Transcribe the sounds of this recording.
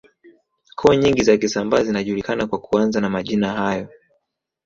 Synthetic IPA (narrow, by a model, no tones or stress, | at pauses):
kʰɔɲiŋɡizakisambazinaʄulikanakwakuanzanamaʄinahajɔ